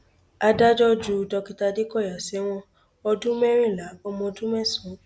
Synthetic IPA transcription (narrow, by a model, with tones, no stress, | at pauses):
a˧da˦d͡ʒɔ˦d͡ʒu˧dɔ˧ki˧ta˧de˦kɔ˦˨ja˨sɛ˨˦w̃ɔ̃˧ | ɔ˧dũ˦mɛ˦ɾ̃ĩ˦˨la˨˦kɔ˧˦mɔ̃˧dũ˦mɛ˦˨sũ˨˦